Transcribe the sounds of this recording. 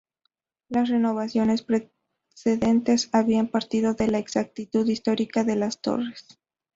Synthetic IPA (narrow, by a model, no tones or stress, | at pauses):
lasre̞no̞β̞asjo̞ne̞spɾe | seðe̞nt̪e̞saβiampaɾt̪iðo̞ðe̞laeksak̚t̪it̪uðist̪o̞ɾikaðe̞last̪o̞̰re̞s